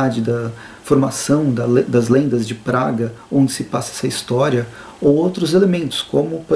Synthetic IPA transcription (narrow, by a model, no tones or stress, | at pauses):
ad͡ʒɪd̪ɐ | foɾmasɐ̃w̃d̪ɐld̪ɐzlẽnd̪ɐzd͡ʒɪpɾaɡɐõd͡ʒɪsɪpasɐɛsɐist̪ɔɾiɐ | owowt̪ɾʊzelemẽnt̪ʊ̥skõmʊpo